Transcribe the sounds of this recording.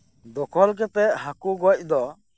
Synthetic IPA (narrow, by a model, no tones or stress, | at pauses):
d̪ɔkʰɔlk̬ɛpɛʔhakuɡɔc̚ˀd̪ɔ